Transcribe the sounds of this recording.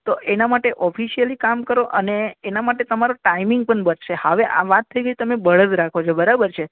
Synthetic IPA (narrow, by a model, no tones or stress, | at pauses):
t̪oʔenamaʈeʔɔfʰiʃijəlikamkəɾoʔəneːnamaʈet̪əmaɾoʈaimɪŋɡ̚pəɳbəɾʃehəʋeʔa̰ʋat̪ʰːəiɡəit̪əmebəɭəd͡ʒ̪ɾakʰot͡ʃʰobəɾabəɾt͡ʃʰe